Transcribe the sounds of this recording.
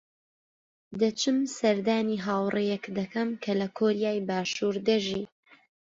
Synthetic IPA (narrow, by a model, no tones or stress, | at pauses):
d̪ɐt͡ʃɨmsɐɾd̪aːniːɦaːwrejɛkd̪ɐkʰɐmkʰɐlɐkʰoɾijaːjbaːʃuːɾd̪ɐʒiː